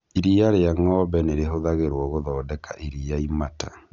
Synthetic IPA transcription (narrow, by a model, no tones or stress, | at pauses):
iɾiaɾeaŋɔbɛneɾeɦoðaɣeɾwɔɣoðɔːdɛkʰaʔiɾiaimata